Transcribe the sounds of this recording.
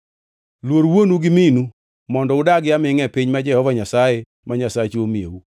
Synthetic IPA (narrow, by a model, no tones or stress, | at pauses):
lwoɾwonuɡɪminu | mɔndɔʊdaɡɪjamɪŋɛpɪɲmad͡ʒɛhɔvaɲasaje | maɲasat͡ʃomiḛwu